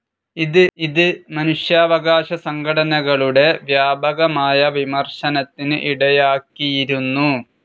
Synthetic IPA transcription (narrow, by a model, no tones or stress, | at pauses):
iðɨiðɨmɐnuʂjaːʋɐɣaːɕɐsɐŋɡʱɐɽɐnɐɣɐɭuɽe̞ʋjaːbɐɣɐmaːjɐʋimɐrʂɐnɐt̪ːinɨʔiɽɐjaːkːijiɾunːu